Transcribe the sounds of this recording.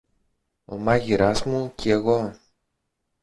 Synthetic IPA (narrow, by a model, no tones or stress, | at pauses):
o̰mɐʝiɾazmucʰieɣo